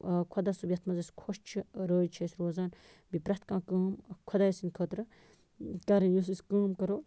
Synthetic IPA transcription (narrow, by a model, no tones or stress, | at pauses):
kʰɐd̪asubjɐt̪ʰmɐzɐskʰoʃt͡ʃʰiɾəːt͡ʃʰɐːsʲɾoːzaːn | bipɾɐt̪ʰkãːkəːmkʰod̪aːjɐsinkʰəːt̪ɾɨ | kaːɾɐnjos̬iskəːmkɐɾoː